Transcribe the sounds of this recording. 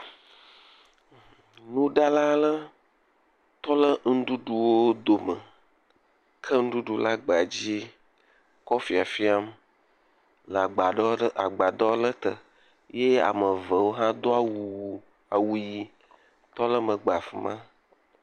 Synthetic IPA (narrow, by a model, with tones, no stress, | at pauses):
nũ˦ɖa˦la˦lə˦ | t̪ɔ˦lə˦ŋ̩˦ɖu˦ɖu˦wo˦d̪o˨mə˨ | kʰə˦ŋ̩˦ɖu˦ɖu˦la˦ɡ͡be˨a˨d͡ʑi˦ | kɔ˦fi˨a˨fi˦a˦m | lə˨a˨ɡ͡ba˨ɡ͡ba˨d̪ɔ˦lə˦t̪ə˨ | je˦a̰˨mə˨və˨wo˦ɦã˦d̪o˦a˨wu˨ | a˨wu˨ji˨ | t̪ɔ˦lə˦mə̃˨ɡ͡ba˨fi˨˦mã˦